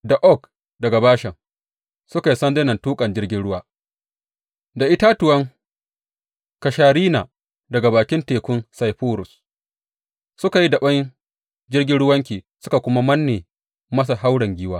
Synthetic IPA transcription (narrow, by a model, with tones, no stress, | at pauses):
da˨ʔɔ˦˨k | dɐ˨ɡa˨baː˦ʃɐ˨ŋ | sʊ˦ka˨ji˦sɐ˦nde˦nɐ˨ntuː˦kʼɐ˨nd͡ʒɪ˦rɡʲɪ˦nɽʊ˦waː˦ | da˨ʔɪ˦ta˦tʊ˨wɐ˦ŋ | ka˨ʃaː˨ɽiː˦naː˨ | dɐ˨ɡa˨baː˨kʲɪ˦nteː˨kʷʊ˦nsa˨jɸuː˦ɾʊ˨s | sʊ˦ka˨ji˦dɐ˨ɓɐ˦ŋ˦ | d͡ʒɪ˦rɡʲɪ˦nɽʊ˦wɐ˦ŋkʲiː˨sʊ̥˦ka˨kʷʊ˦ma˦mɐ˦nːeː˨ | mɐ˦s̬a˨ha˦wɽɐ˨ŋɡʲiː˦waː˦